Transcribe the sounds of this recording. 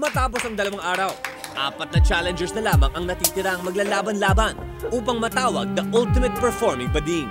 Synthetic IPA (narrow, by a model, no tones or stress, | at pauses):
mɐt̪aːp̬osɐŋd̪ɐlɐwaŋʔaːɾɐw | ʔa̰ːpɐt̪̚nɐt͡ʃaːlɛnd͡ʒɛɹsnɐlaːmɐŋʔɐŋnɐt̪iːt̪ɪɾaɐŋmɐɡlaːlaːbɐnlaːbɐnʔuːpɐŋmɐt̪aːwɐɡ̚d̪ɐʔʊlt̪ɪmɐt̪̚pɛɹfoɹmɪŋbɐd̪iŋ